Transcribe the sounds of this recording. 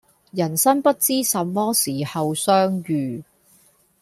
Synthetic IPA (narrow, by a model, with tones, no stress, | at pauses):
jɐ˨˩nsɐ˥ŋpɐ˥t̚t͡siː˥sɐ˨mːɔː˥siː˨˩hɐ˨wsœː˥ŋjyː˨